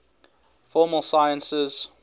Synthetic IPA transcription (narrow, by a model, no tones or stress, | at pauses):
fɔːməlˠsaɪə̃nsɪz̥